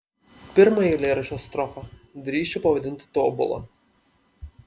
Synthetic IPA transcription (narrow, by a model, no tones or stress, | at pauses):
pʲɪɾmɐjilʲeːɾɐʃʲost̪ɾɔfɐd̪ʲɾʲiːʃʲt͡ʃʲɛpɐʋɐd̪ʲɪnʲt̪ʲɪ̥t̪oːbʊ̰lˠɐ̰